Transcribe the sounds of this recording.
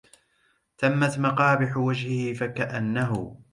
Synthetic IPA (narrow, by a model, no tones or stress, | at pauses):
t̪amːat̪mɑqɑːbɪħwad͡ʒhɪhɪfakaʔanːaɦʊ̰